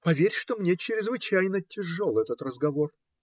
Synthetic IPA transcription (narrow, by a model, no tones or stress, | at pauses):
pɐvʲeɾʲʂt̪omnʲet͡ɕɪɾʲɪzvɨt͡ɕæjnətʲɪʐːolˠɛt̪ət̪rəzɡɐvo̞r